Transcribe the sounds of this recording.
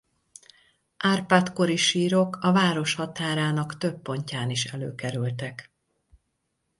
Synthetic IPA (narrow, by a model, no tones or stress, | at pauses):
ʔaːrpaːt̪ko̞ɾiʃiːɾo̞kɒvaːɾo̞ʃhɒt̪aːɾaːnɒkt̪øpːo̞ɲcaːniʃɛlø̰ːkɛɾylt̪ɛk